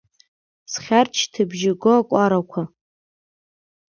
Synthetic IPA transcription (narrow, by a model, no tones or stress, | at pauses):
sχʲart͡ʃʰtʰɨbʒɪɡoakʷʼaɾakʷʰa